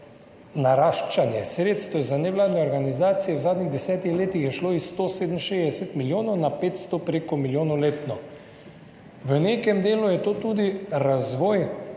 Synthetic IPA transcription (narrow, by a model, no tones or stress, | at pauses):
naɾaːʃt͡ʃanjɛsɾeːt̪st̪ʋɛzanɛʋlaːd̪nɛɔɾɡanizaːt̪sijɛwzaːd̪niɣd̪ɛsɛːt̪ixleːt̪ixjɛʃloisːt̪oseːd̪əmʃeːzd̪ɛsɛt̪miljoːnɔwnapeːt̪st̪ɔpɾekɔmiljoːnɔwleːt̪nɔ | ʋənekɛmd̪eːlujɛt̪oːt̪uːd̪iɾazʋɔːj